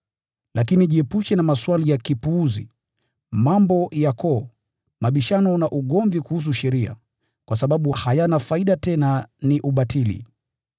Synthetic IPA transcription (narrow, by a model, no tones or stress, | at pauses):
lʔakiniʄiɛpuʃɛnamaswalijakipuuzḭ | mambɔjakɔ | maɓiʃanɔnaʔuɠɔɱvikuhus̬uʃɛɾia̰ | kwasaɓaɓuhajanafaiɗatɛnaniʔuɓatʰilḭ